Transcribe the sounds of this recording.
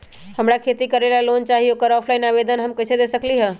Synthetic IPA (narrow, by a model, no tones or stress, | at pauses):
həmɾakʰet̪ikəɾelalont͡ʃaɦioːkəɾɔpʰlaːɪnaʋed̪ənɦəmkət͡ʃʰed̪esəkliɦə̃